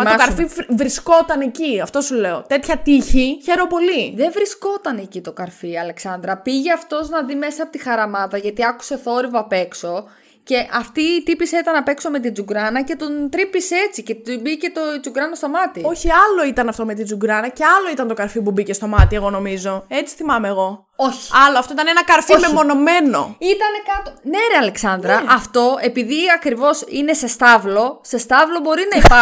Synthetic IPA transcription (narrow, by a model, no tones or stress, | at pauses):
mɐkɐɾfivɾisko̞t̪ɐneciɐft̪o̞sule̞o̞t̪e̞t̪çɐt̪içiçe̞ɾo̞po̞liðe̞ɱvɾisko̞t̪ɐnecit̪o̞kɐɾfiɐle̞ksɐnd̪ɾɐpiʝeɐft̪o̞znɐðime̞sɐːpot̪ixɐɾɐmɐðɐʝɐt̪iɐku̥se̞θo̞ɾivɐpe̞kso̞ | ce̞ʔɐft̪iːt̪ipiset̪ɐnɐpe̞kso̞me̞t̪̬id͡zuɡɾɐnɐce̞t̪ont̪ɾipiset͡sice̞t̪bice̞t̪od͡zuɡɾɐnɐst̪o̞mɐt̪io̞çiɐlo̞it̪ɐnɐft̪o̞me̞t̪̬ind͡zuɡɾɐnɐce̞ɐlo̞it̪ɐnt̪o̞kɐɾfipubice̞st̪o̞mɐt̪ie̞ɣo̞no̞mizo̞e̞t͡si̥θimɐmeːɣo̞ | o̞çi̥ɐloɐft̪oit̪ɐnenɐkɐɾfimemo̞no̞me̞no̞̰it̪ɐne̞kɐt̪oneɾeɐle̞ksɐnd̪ɾɐɐft̪o̞e̞piðiɐkɾivo̞sḭne̞se̞st̪ɐvlo̞se̞st̪ɐvlo̞bo̞ɾinɐipɐ